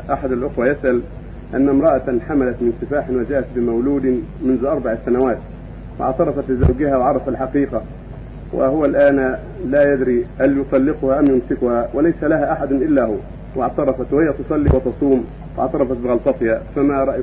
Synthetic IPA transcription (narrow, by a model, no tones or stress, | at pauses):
ʔaħad̪alʔʊxwajasʔal | ʔa̰nːamɾˤɑʔat̪ħamalat̪mɪnsɨfaːħɪnwad͡ʒaːʔat̪̚bɪmawluːd̪ɪmʊnzʊʔɑɾˤbɑʕsanawaːt̪ | wɪ̰ʕt̪ɑɾˤɑfɑt̪lɪzawɡɪhawʕɑɾˤɑfalħaqiːqa | wɪ̰hʊwalʔaːn | laːjad̪ɾiːhaljʊt̪ˤɑlːɪqʊhaʔamjʊmsɪkʊhawɪlajsalaɦaːʔaħad̪ʊnʔɪlːahʊ | wɪʕt̪ɑɾˤɑfɑt̪wɪhɪjːæt̪ʊsˤɑlːiwɪt̪ɑsˤuːm | wɪ̰ʕt̪ɑɾˤɑfɑt̪̚bɪɣɑlt̪ˤɑt̪ˤjafamaɾˤɑʔ